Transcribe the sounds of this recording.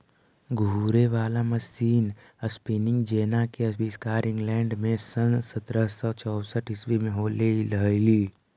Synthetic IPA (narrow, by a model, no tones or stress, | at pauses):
ɡʱuːɾeʋaːlamɐsiːn | əspiːnɪ̃ŋɡd͡ʒeːnakeɐsbiːskaːɾɪ̃ŋɡlɛːɳɖmẽsə̃nsət̪ɾəsɔt͡ʃɔːsəʈɪswimẽɦoːleiləliː